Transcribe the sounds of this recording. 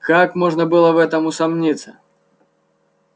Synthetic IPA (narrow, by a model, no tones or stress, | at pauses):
kakmɔʐnɐbɨlˠɐvɛt̪ɐmusamnʲit̪sɐ̰